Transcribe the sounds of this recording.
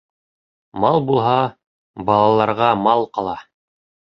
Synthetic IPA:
mɑlˠbulˠɦɑ | bɑlˠɑlˠɑɾʁɑmɑlˠqɑlˠɑ

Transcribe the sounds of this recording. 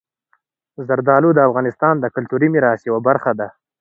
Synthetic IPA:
zaɾd̪ɑlud̪əafɣɑnɪst̪ɑnd̪əkʊlt̪uɾimɪɾɑsjawabaɾxad̪a

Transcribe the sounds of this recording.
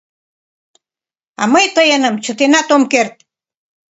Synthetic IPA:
a̰məjt̪əjənəmt͡ʃʊt̪ɪnat̪omkeɾt̪̚

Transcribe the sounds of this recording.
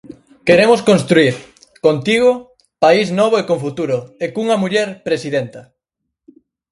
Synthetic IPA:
keɾemoskonst̪ɾuiɾ | kont̪iɣ̞o | paiznɔβ̞oekoɱfut̪uɾoekuŋɐmuʎɛɾpɾesiðent̪ɐ

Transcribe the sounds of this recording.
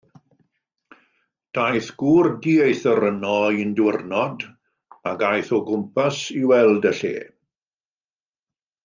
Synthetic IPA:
d̥ajθɡ̥uːrdiːejθəɾənɔindwɪrnɔd | aɡajθɔɡʊmpʰasiwɛlˠdəɬḛː

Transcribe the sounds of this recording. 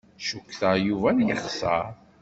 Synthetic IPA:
ʃukːθəjuvænjəχsə̰ɾˤ

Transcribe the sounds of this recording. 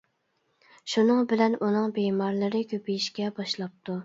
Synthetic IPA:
ʃunɨŋbɪlɛnʔunɨŋbemɑɾlˠɨɾɨkʲʰøpijiʃkʲɛbɑʃlˠɑp̚t̪ʰu

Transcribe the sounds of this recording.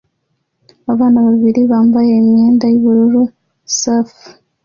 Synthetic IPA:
aβaːnaβaβiɾiβaːmbaje̞imje̞ːndajuβuɾuɾu | saf

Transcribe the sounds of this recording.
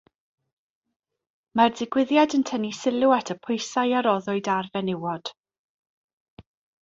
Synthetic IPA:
mardɪɡwɪðjadəntʰənisɪlˠʊatʰəpʰʊjsajaɾɔðʊɨdarvɛnɪwɔd̥

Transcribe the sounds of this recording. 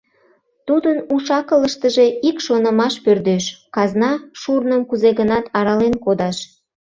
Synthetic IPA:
t̪ud̪ənuʃɑkələʃt̪əʒe̽ikʃonə̆mɑʃpørd̪øʃkɑznɑʃurnəmkuzeɣənɑt̪ʰɑɾɑlenkod̪ɑʃ

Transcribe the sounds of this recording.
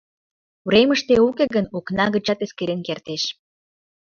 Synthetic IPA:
uɾeməʃt̪eukeɣənuknɑɣət͡ɕɑt̪eskeɾenkert̪eʃ

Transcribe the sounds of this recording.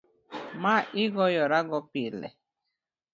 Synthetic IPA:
maʔiɡɔjɔɾaɡɔpilḛ

